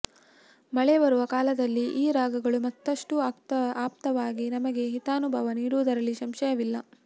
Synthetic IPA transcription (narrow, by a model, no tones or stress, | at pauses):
mɐɭebɐɾuʋɐkaːlɐd̪ɐlːiʔiːɾaːɡɐɡɐɭumɐt̪ːɐʂʈuaːpaːpt̪ɐʋaːɡinɐmɐɡe̞ɦit̪aːnubʱɐʋɐniːɾuʋd̪ɐɾɐlːiʃɐmʃɐjɐʋilːɐ